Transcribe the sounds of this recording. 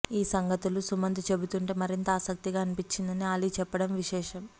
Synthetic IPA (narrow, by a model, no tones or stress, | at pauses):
iːsɐŋɡɐt̪ulusumɐnd̪ʱit͡ʃe̞but̪uɳʈe̞ːmɐɾint̪ɐaːsɐk̚t̪iɡaːnipit͡ʃːind̪ɐniaːlit͡ʃɛpːɐɽɐmʋiʃɛːʂɐm